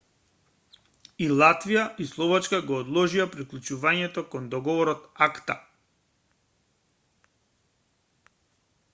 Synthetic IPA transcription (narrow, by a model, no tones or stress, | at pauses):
ilˠat̪vijaʔislˠɔvat͡ʃkaɡɔːd̪lˠɔʒiapɾiklˠut͡ʃuvaɲɛt̪ɔkɔnd̪ɔɡɔvɔɾɔt̪akt̪a